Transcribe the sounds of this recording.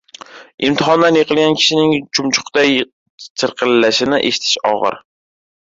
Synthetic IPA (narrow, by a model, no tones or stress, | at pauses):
ɪmt̪ʰɪhɒnd̪anjeqʰɨlˠɡʲankʲʰɪ̥ʃɪnɪŋt͡ʃʰʊmt͡ʃʰʊ̥qt̪a | t͡ʃʰɪɾqʰɨlːaʃɪnɪʔeʃɪ̥t̪ʰɪ̥ʃɒ̰ʁɨ̰ɾ